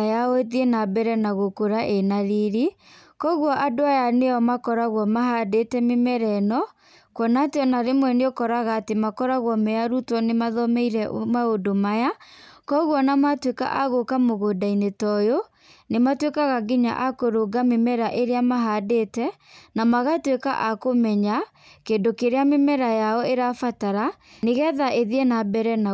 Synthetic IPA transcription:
jaoeðienabɛɾɛnaɣokoɾaʔenaɾiɾi | kɔɣwɔʔadoajanejɔmakɔɾaɣwɔmaɦadetɛmemɛɾɛnɔ | kwɔnateɔnaɾemwɛneokɔɾaɣaːtemakɔɾaɣwɔmɛaɾutwɔnemaðɔmɛiɾɛmaodomajakɔɣwɔnamatweka̰ʔaɣokamoɣodainetɔjo | nematwekaɣaɡiɲa̰ʔakoɾoɡamemɛɾaʔeɾeamaɦadetɛ | namaɣatweka̰ʔakomɛɲa | keːndokeɾeamemɛɾajaɔeɾafataɾa | neɣɛðaʔeðiɛnabɛɾɛna

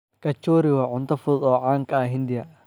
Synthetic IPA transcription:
kɐt͡ʃɔːɾɪwɐʕʊnt̪ʰɐfʊðɔːʕaːŋkʰɐɦɪnd̪ɪjɐ

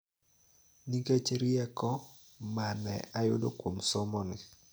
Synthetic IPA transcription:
niket͡ʃeɾiɛkɔ | manɛ̰ajʊ̰dokwomsɔmɔnɪ

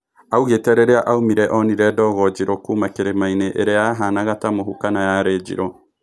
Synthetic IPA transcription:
auɣetɛɾeɾeaʔaumiɾɛʔɔniɾɛdɔɣɔd͡ʒiɾɔkumakeɾemaineʔeɾeaɦanaɣatamoɦukanajaɾed͡ʒḭɾɔ

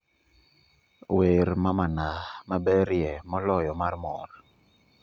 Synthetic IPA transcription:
weɾmamanamabɛɾjɛmɔlɔjɔmarmɔɾ

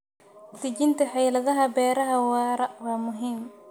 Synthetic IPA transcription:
t̪ʰɪt͡ʃɪnt̪ʰɐħɑjlɐðɐɦɐbɛːɾɐɦɐwɑːɾɐwɑːmʊɦiːm

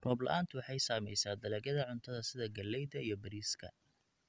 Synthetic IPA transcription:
rɔːblɐ̰ʔaːnt̪ʰʊwɑħɑjsaːmɛ̰jsaːd̪ɐlɛːɣɐðɐʕʊnt̪ʰɐðɐsɪðɐɡɐlːɛjðɐijɞbɐɾiːskʰɐ̰

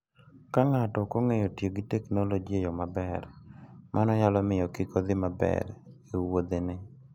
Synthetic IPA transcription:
kaŋatɔkoŋejotjeɡitɛknolod͡ʒiejɔmabɛɾmʔanɔjalɔmɪjɔkɪkɔd̪ɪmabɛ̰ɾ | euwod̪enɪ

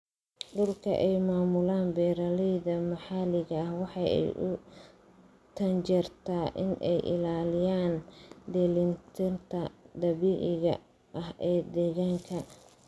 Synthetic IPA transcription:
ɖʊlkʰɐ̰ʔɛjmaːmʊlaːnbɛːɾɐlɛjðɐmɐħɑlɪɣɐɐhwɑħɑɛ̰jʔʊ | t̪ʰɐnt͡ʃɛrt̪ʰaʔɪnʔɛjʔɪ̰laːlɪjaːnd̪ɛːlɪnt̪ʰɪnt̪ʰɐd̪ɐβiːʕɪɣɐ̰ | ʔɐhʔɛːd̪ɛːɣaːŋkʰɐ

